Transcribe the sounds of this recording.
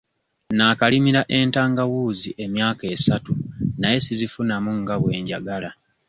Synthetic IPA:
naːkalimiɾaʔe̞ntaːŋɡawuːziʔe̞mjaːke̞ːsatunaje̞sizifunamuŋɡaβwe̞ːɲɟaɡala

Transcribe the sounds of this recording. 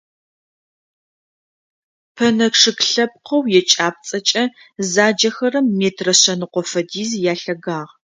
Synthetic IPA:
pʰɐnɐkʂɨkɬɐp̚qɐwjɛt͡ʃʼaːp̚t͡sʼɐt͡ʃʼɐ | zaːd͡ʒɐxɐrɐmːeːtʰrɐɕɐnɨqʷɔfɐdiːzjaːɬɐɡaːʁ

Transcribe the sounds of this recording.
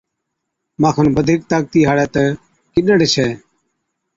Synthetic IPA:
mãːkʰənbəd̪ʱɪk̚t̪aːk̚t̪iːɦaːɽɛːt̪ə | kɪɗəɽt͡ʃʰɛː

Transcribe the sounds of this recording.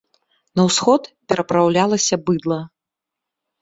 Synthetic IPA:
nɐwsxɔt̪pʲɛɾɐpɾawlʲalˠɐsʲɐbɨd̪lˠɐ

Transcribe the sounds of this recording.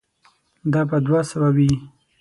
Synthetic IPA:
d̪ɑbad̪wasəwawi

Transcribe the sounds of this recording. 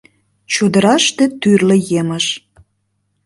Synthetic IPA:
t͡ɕud̪ə̆ɾɑʃt̪et̪yrlĕjeməʃ

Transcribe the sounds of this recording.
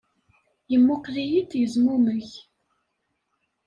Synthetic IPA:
jəmːʊqlijid̪jəzmuməç

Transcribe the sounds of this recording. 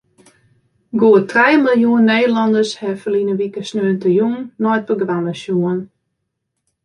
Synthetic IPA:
ɡoətrɛjmilˠjuənːeːdəlɔndəshɛfəlinəʋikəsnøːntəjuŋnɔjt̚bəɡʋanəsjuən

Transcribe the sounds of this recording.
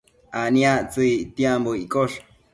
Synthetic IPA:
aniat͡sɨjt̪jamboikʼoʂ

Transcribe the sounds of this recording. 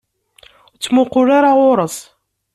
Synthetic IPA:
t͡sːmʊqʊɾaɾaʁʊɾˤəsˤ

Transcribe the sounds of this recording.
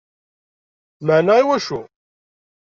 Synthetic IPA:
maʕnæiwæʃu

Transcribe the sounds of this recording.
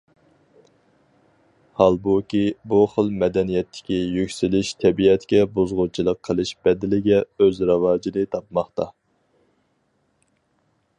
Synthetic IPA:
hɑlˠbukʲibuχəlˠmɛd̪ɛnijɛt̪ʰːɪ̥kʲijykʲsylɪʃt̪ʰɛbiɛt̪ʰkʲɛbozʁut͡ʃʰilˠəqʰːəlˠɨʃb̥ɛd̪ɪlɪɡʲɛøzɾɑwɑːd͡ʒid̪ɨt̪ʰɑpmɑχt̪ɑ

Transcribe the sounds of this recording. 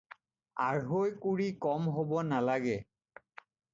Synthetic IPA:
aɹɦojkuɹikɔmɦobɔnalaɡɛ

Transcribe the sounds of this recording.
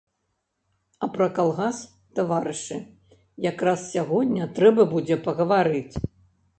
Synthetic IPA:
ɐpɾɐkalˠɣas | t̪avaɾɨʂɨ | jakɾassʲaɣɔd̪ʲnʲnʲɐt̪ɾɛbɐbud͡zʲɛpɐɣɐvaɾɨt͡sʲ

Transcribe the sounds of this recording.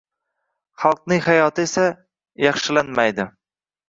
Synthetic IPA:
χɑlˠq̚nɪŋhajɒt̪ʰɪesa | jɑχʃɪlanmajd̪ɪ

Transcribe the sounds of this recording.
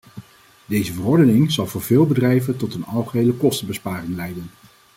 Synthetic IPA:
dejzəvərɔɹdənɪŋzɑlˠvʊːɹveːlˠbədrɛjvəntɔtənɑlˠχəɦejləkɔstəbəspaːrɪŋlɛjdən

